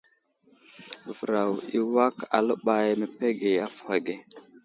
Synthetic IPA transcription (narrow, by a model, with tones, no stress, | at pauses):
və˨ɾa˨wi˦wa˦ka̰˨lə˦ɓa˨jme˨pe˦ɡe˨a˦fa˨ɡe˨